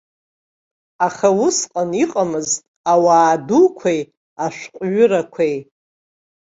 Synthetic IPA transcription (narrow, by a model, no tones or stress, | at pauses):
aχawʊsqʼaniqʼamɨztʼawaːdukʷʰej | aʃᶣʷqʷʼɥʊɾakʷʰej